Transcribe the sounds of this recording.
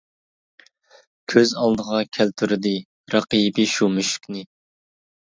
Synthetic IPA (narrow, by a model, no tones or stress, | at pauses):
kʲʰøzɑlˠd̪əʁɑkʲʰælt̪ʰyɾɪd̪ɪ | ɾɑqibiʃumyʃy̥kʲnɪ